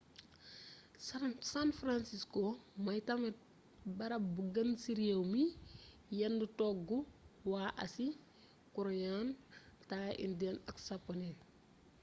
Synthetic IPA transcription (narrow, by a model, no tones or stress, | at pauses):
ssanfɾansiskomɐjtɐmɛ | bɐɾɐbuɡɐnsiɾijewmi | jɐndutɔkɡuwaːʔɐ̰si | kuɾɔɲantaːʔḭndɛnɐksapːɔnɛn